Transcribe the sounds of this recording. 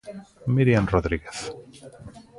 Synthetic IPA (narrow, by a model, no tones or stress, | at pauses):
miɾjanroðɾiɣeθ